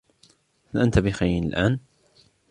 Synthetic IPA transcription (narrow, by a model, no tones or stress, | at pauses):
halʔant̪abixajnɪlʔaːn